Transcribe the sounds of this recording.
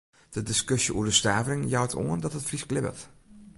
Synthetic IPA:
d̥ədɪskøsjəʔuədəstaːvərɪŋjawtʰo̰əndɔtətfrisklɪbə̰lt

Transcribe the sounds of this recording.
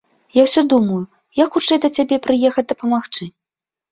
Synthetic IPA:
jawsʲɔd̪umɐju | jaxut͡ʂɛjd̪ɐt͡sʲabʲɛpɾɨjɛxɐt͡sʲd̪ɐpɐmaxt͡ʂɨ

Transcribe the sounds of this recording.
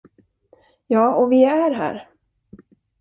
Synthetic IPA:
jɑːɔvɪæɾɦæ̰ːɾ

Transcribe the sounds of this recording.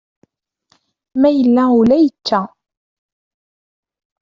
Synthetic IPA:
mæjəlːæʊlæjət͡ʃːæ

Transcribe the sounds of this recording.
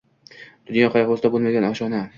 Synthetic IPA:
d̪̥ʊnjɒqʰɑjɑqost̪abolˠmaɡʲanaʃɒna

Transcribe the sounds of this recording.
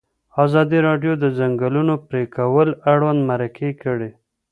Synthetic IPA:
ɑzɑd̪iɾɑɖjod̪əzaŋɡəlunopɾekʰawəlaɽwand̪maɾakʰekəɽe

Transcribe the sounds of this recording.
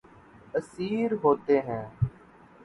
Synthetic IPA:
əsiːɾɦoːt̪eːɦɛ̃ː

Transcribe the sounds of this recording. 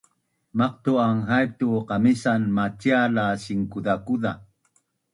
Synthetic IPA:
maq̚t̪uaŋɦajp̚t̪uqamisanmat͡ʃialasiŋkud̪akuða

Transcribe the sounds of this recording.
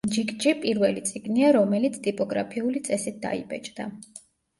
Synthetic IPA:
d͡ʒikʼt͡ʃʼipʼiɾvɛlit̪sʼiɡniaɾɔmɛlit̪sʰt̪ʼipʼɔɡɾa̰pʰiulit̪sʼɛsit̪̚d̪a̰ḭbɛ̰t͡ʃʼd̪a̰

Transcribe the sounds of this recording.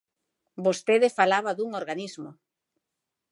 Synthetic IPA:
bost̪eðɪfalaβaðuŋoɾɣanizmʊ

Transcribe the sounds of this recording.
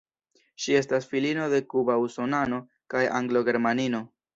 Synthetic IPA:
ʃie̞stasfilino̞de̞kubauso̞nano̞ | kaja̰ŋɡlo̞ɡe̞ɾmanino̞

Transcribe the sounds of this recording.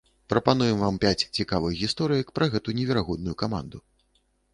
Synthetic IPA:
pɾɐpanujɛmvampʲat͡sʲt͡sʲikavɨɣɣʲist̪ɔɾɨjɐkpɾʔɐɣɛt̪unʲɛvʲɛɾaɣɔd̪̚nujukama̰nd̪u

